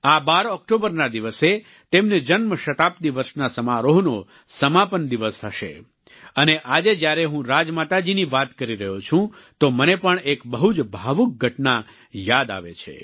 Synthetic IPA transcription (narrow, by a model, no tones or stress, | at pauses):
abaɾɔk̚ʈobəɾnad̪iʋəse | t̪emned͡ʒənməʃət̪ap̚t̪iʋəɾʃnasəmaɾoɦno | səmapənd̪iʋəsɦʰəʃḛ | əneʔad͡ʒed͡ʒjaɾeɦũɾad͡ʒmat̪ad͡ʒiniʋat̪kəɾiɾəɦot͡ʃʰũt̪omənepəɳekbəɦud͡ʒbʱaʋuk̚ɡʱəʈna | jad̪a̰ʋḛt͡ʃʰḛ